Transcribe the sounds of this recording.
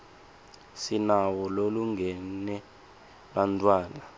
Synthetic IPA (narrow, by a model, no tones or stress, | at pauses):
sinawɔloluŋʱɛnɛ | ɓantʼwaːna